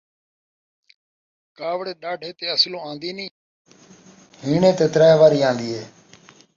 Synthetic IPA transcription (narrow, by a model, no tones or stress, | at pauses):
kaːʋɽeːɗaːɖʱeːt̪eːəslõːãːnd̪iːnĩː | ɦiːɳẽːt̪eːt̪ɾaːɦʋaːɾiːãːnd̪iːɦeː